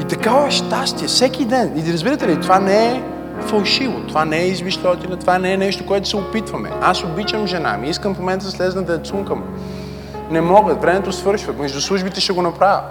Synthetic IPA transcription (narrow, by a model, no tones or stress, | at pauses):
it̪ɐkavɛʃt̪ast̪iɛfsɛk̟ʲid̪ɛniɾɐzbiɾət̪ɛlit̪ovanɛɛ | fɐlˠʃivot̪ovanɛɛizviʃt̪ɔt̪inɐt̪ovanɛɛnɛʃt̪okoɛt̪ʊ̥sɛopit̪vɐmɛ̰asobit͡ʃəmʒɛna̰miiskəmfmomɛnt̪əd̪ɐslɛznɐd̪ɐt̪suŋkəmu | nɛmɔɡət̪vɾɛmɛt̪osvɤɾʃvəmɛʒd̪ʊslˠuʒbit̪ɛʃɛɡonɐpɾavʲə̰